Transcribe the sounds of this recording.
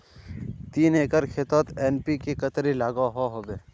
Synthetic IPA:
t̪iːneːkəɾkʰet̪ot̪eːnpikekɐt̪ɾilaːɡaɦoɦobeː

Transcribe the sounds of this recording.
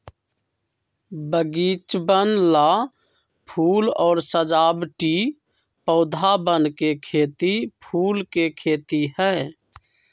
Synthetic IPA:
bəɡit͡ʃbənla | pʰuːlɔːɾsəd͡ʒaːbʈi | pɔʊd̪ʱabənkekʰet̪ipʰuːlkekʰeːt̪ihɛ

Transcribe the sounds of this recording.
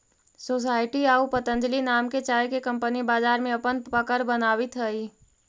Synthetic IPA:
soːs̬aːɪʈiaːupət̪ə̃nd͡ʒəlinaːmket͡ʃaːjkekə̃mpənibaːzaːɾmẽəpənpəkəɾbənaːwɪt̪ɦəi

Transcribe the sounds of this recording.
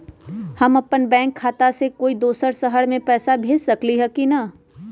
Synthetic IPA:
hɐmɐpənbɛ̃ːŋkʰːaːt̪asekoːid̪oːsəɾsəɦəɽmẽpɛːsabʱeːd͡ʒsɐkliɦɛkinɐ

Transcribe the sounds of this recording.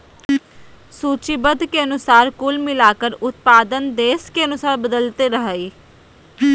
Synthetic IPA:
suːt͡ʃibəd̪ʱkeənʊsaːɾkʊlmɪlaːkəɾʊt̪̚paːd̪ənd̪eːskeənʊsaːɾbəd̪əlt̪eɾəɦəiː

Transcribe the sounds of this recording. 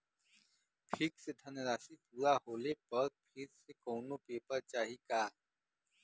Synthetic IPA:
pʰɪksed̪ʱɐnɾaːsipuːɾaɦoːlepɐɾpʰɪɾsekɔːnopeːpəɾt͡ʃaːɦikaː

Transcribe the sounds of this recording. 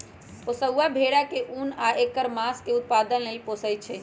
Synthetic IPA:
posəwabʱeɽakeʔunaʔekːəɾmaskeut̪̚pad̪ənlelposəjt̪̚t͡ʃʰɛ

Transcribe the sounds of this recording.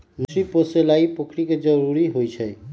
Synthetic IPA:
musɾiposelaipəkʰɾiked͡ʒəɾuɾiɦojt͡ʃʰə

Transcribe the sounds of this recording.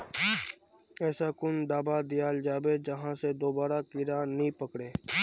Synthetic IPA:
ɛːsaːkʊnd̪aːbaːd̪ɪjaːld͡ʒaːbed͡ʒəɦãsed̪oːbaːɾakɪɾaːnĩːpəkɽeː

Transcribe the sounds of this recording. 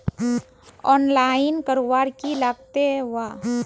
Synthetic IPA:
ɔnlainkəɾʋaɾkilaɡ̚t̪eʋa

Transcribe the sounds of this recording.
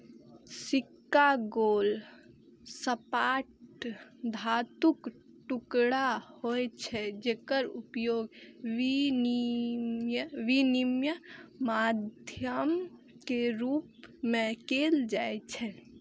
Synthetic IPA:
sikːaɡoːl | səpaːʈ | d̪ʱaːt̪uk | ʈukɽahoɛt͡ʃʰɛd͡ʒeːkəɾupjoːɡʋinimjəʋinimjəmad̪ʱjəm | keɾuːpmẽkeːld͡ʒaːɛt͡ʃʰɛ

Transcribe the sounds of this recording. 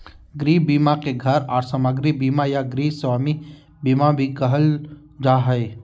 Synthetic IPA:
ɡɾiːbiːmakeɡʱɐɾɔːɾsəməɡɾibiːmajaɡɾiːswaːmi | biːmabʱikəɦəl | d͡ʒaːɦəe

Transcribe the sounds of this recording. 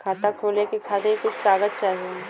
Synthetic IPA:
kʰaːt̪akʰoːlekekʰaːt̪ẽikʊt͡ʃʰsɾaːɡət̪̚t͡ʃaːɦie

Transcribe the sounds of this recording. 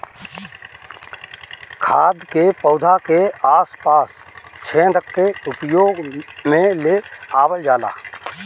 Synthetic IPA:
kʰaːd̪kepəːd̪ʱakeaːspaːst͡ʃʰẽːd̪əkːeʊpjoːɡmẽleaːbəld͡ʒaːla̰ː

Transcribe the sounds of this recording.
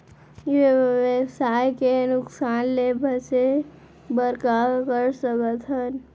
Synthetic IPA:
ɪʋʋesaːjkenʊksaːnleːbʱəɾse | bəɾkakəɾsəkət̪ɦən

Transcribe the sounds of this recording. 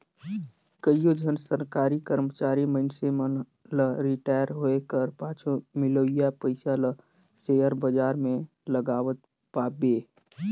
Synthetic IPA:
kəijod͡ʒʱənsəɾkaːɾikəɾmət͡ʃaːɾiməɪnsemən | ləɾɪʈaːjəɾɦoekəɾpãːt͡ʃʰomɪloːijapəɪsalə | sejəɾbəd͡ʒaːɾmẽ | ləɡaːʋət̪̚ | paːbeː

